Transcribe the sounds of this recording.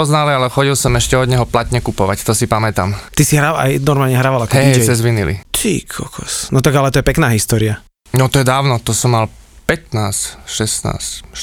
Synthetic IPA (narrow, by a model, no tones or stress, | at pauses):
ɔznaːlialɛxɔɟilsɔmɛʃcɛɔd̪ɲɛɦɔplat̪ɲɛkupɔʋa̰ct̪ɔsipamɛt̪a̰ːmt̪isiɦɾaa̰jnɔɾmaːlɲɛɦɾaːʋalakɔɛsɛzʋinilḭt̪ʰḭkʰɔ̰kʰɔ̰snɔt̪aɡalɛt̪ɔjɛpɛknaːɦist̪ɔːɾia | nɔt̪ɔjɛd̪aːʊnɔt̪ɔsɔmːalpɛt̪naːsʃɛsna̰ːs